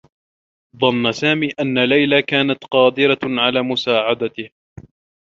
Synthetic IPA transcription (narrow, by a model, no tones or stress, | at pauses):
ðˤɑnːasaːmiːʔanːalajlakaːnat̪qɑːd̪ɪɾaʕalaːmʊsaːʕad̪at̪ɪh